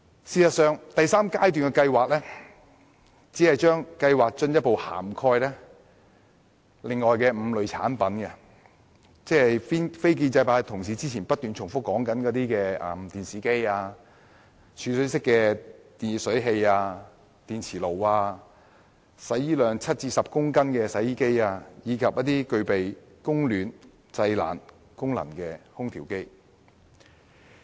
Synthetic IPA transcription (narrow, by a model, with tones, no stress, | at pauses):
siː˨˩sɐ˨tsœː˨ŋt̪ɐ˨jsaː˥mkaː˥jt̪̬yː˨nkɛ˧kɐ˧jwaː˨k̚lɛː˥ | t͡siː˨˥hɐ˨jt͡ʃœː˥ŋkɐ˧jwaː˨k̚t͡ʃɵ˧njɐ˥t̚po˨wha̰ː˨˩mkʰɔː˧jlɛː˥ | lɪ˨ŋːɔː˨jkɛː˧m̩˨˧˥lɵ˨˧ɥt͡sʰa̰ː˨˥npɐ˨˥nɡɛ˧ | t͡sɛː˥hɐ˨jfiː˥nfe˥jk̬iː˧nt͡sɐ˧jpaː˧˥jt̪ʰʊ˨˩ŋs̬iː˨˥t͡siː˥t͡sʰiː˨˩npɐ˥t̚t̪yː˨˩nt͡ʃʰʊ˨˩ŋfʊ˥kːɔː˨˥ŋkɐ˨˥nkɔː˨˧˥t̪iː˥kɛː˧ɛ̰˨˩mt̪iː˨˩nsiː˨˥ke˥jaː˧ | t͡ʃʰyː˨˧sɵ˨˥sɪ˥kːɛː˧t̪i˨sɵ˨˥ɥɦe˧jaː˧ | t̪iː˨nt͡sʰiː˨˩lo˨˩waː˧ | sɐ˨˥jjiː˥lœː˨˧ŋt͡sʰɐ˥t̚t͡siː˧sɐ˨p̚kʊ˥ŋkɐ˥nkɛː˧sɐ˨˥jiː˥ke˥jaː˧jiː˨˧kʰɐ˨p̚jɐ˥t̚t̪iː˥kɵ˧ɥpe˨j | kʊ˥ŋlyː˨n | t͡sɐ˧jla̰ː˨˩n | kʊ˥ŋlɐ̰˨˩nkɛ˧hʊ˥ŋt̪ʰiː˨˩wke˥j